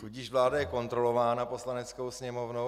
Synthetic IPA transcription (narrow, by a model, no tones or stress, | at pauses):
t̪uɟiːʃvlaːdajɛko̞nt̪ɾo̞lo̞vaːnapo̞slanɛt͡sko̞wsɲɛmo̞vno